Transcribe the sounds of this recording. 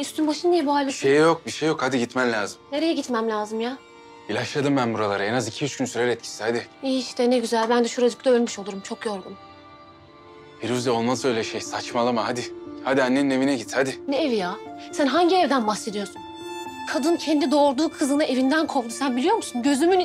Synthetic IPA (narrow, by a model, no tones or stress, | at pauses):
yst̪ʰynbaʃɯnnijɛbuɦalʲːaʃejjok̚biʃejːo̞khad̪iɟit̪mɛmlʲaːzɯmne̞ɾe̞jɛɟit̪mæmlʲaːzɯmja | ilʲaʃlˠad̪ɯmbænbuɾalˠaɾɯɛnazicʰijyt͡ʃkynsyɾɛɾɛt̪̚cʰi̥sihad̪ɪiʃt̪ɛnɛɟyzælʲbænd̪ɛʃuɾad͡ʒɯkt̪ˠaølʲmyʃolˠuɾumt͡ʃʰo̞kjo̞ɾɡun | biɾyzd̪aolˠmansølʲɛʃejsat͡ʃmalˠɯmahad̪ɪhad̪ianːeine̞vinɛɟit̪had̪ɪnɛevijaːsænɦaɲɟiɛvd̪ænbaxse̞d̪ijo̞sun | kʰad̪ɯncʰɛnd̪id̪o̞ɾd̪uːkʰɯzɯnaʔe̞vind̪ænkʰo̞ld̪usænbilʲijo̞ɾmusunɟø̞zymyn